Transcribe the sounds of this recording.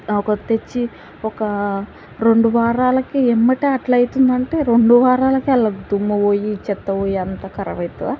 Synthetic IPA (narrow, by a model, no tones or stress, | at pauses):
ɔkɐt̪et͡ʃːi | ɔkɐ | ɾo̞ɳɖuʋaːɾaːlɐkiɛmːɐʈeːɐʈlɐjit̪und̪ɐɳʈe̞ːɾo̞ɳɖuʋaːɾaːlɐkiɐlːaːd̪umːɐʋoːjit͡ʃɛt̪ːɐʋoːjiɐnt̪aːkɐɾɐ̰ʋɐjt̪ɐa